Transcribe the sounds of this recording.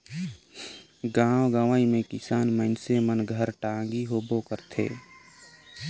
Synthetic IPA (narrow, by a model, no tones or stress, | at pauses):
ɡãːwɡaːʋaːimẽkɪsaːnməɪnsemənɡʱəɾʈãːŋɡiɦoːbokəɾt̪ʰḛː